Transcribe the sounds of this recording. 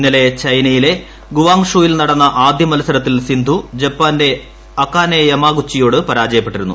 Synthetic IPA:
nːɐle̞t͡ɕɐjnɐjile̞ | ɡuʋaːŋʂuːjilnɐɽɐnːɐʔaːd̪jɐmɐlɐsɐɾɐt̪̬ːilsind̪ʱud͡ʑɐpːaːnde̞ | ɐkːaːneɐmaːɡut͡ɕːijo̞ːɽɨpɐɾaːd͡ʑɐjɐpːe̞ʈːiɾunːṵ

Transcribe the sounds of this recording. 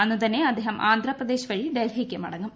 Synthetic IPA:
ɐnːut̪ɐnːeɐd̪ʱːeɦɐmʔaːnd̪ʱrɐprɐd̪eːɕʋɐɻiɖɐjɾɦikʲːɐmɐ̰ɽɐŋɡɐm

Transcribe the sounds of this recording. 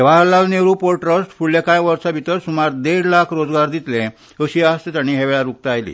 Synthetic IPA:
eʋ̤alalneʋɾuːpoɾʈɾəsʈfuɽljakãjʋəɾsabʱit̪əɾsumaɾd̪eɽlakʰɾod͡zɡaɾd̪it̪lẽ | əɕiast̪it̪aɽ̃iɦeʋɛɭaɾuk̚t̪əajlḭː

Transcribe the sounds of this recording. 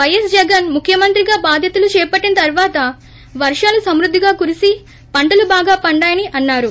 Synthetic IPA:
ʋɐjɐsd͡ʒɛɡɐnmukʰjɐmɐnt̪ɾiɡaːbaːd̪ʱjɐt̪ulut͡ʃɛːpɐʈːinɐt̪ɐɾʋaːt̪ɐ | ʋɐɾʂaːlusɐmɾud̪ʱːiɡaːkuɾisi | pɐɳʈɐlubaːɡaːpɐɳɖaːjɐniʔɐnːaːɾu

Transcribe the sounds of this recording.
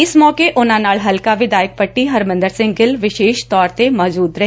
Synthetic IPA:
ɪsmɔːkeʔʊnãːnaːlɦɐlkaʋɪd̪aːjək̚pəʈːiɦɐɾmə̃nd̪əɾsɪ̃ŋɡɡɪlʋɪʃeːʃt̪ɔːɾt̪emɔːd͡ʒuːd̪ɾɐ

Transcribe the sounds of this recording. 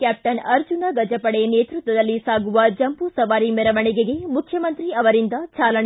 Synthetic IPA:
kaːp̚ʈɐnɐɾd͡ʒunɐɡɐd͡ʒɐpɐɽeneːt̪ɾut̪ʋɐd̪ɐlːisaːɡuʋɐd͡ʒɐmpusɐʋaːɾimɛɾɐʋɐɳiɡeɡe̞mukʰjɐmɐnt̪ɾiɐʋɐɾind̪ɐt͡ʃaːlɐn

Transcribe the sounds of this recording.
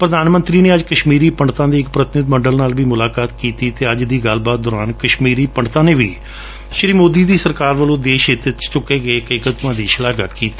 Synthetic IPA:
pɾəd̪aːnmə̃nt̪ɾiːneːəd͡ʒkəʃmiːɾiːpəɳɖt̪ãːd̪iːɪkpɾət̪ɪnɪd̪məɳɖəlnaːlʋiːmʊlaːkaːt̪kiːt̪iːt̪eːəd͡ʒd̪iːɡəlbaːt̪̚d̪ɔːɾaːnkəʃmiːɾiːpəɳɖt̪ãːneːʋḭː | ʃɾiːmoːd̪iːd̪iːsəɾkaːɾʋəlõːd̪eːʃɪt̪ɪt͡ʃt͡ʃʊkːeːɡəeːkəikət̪ʊãːd̪iːʃəlaːɡə̰kkiːt̪i̥ː

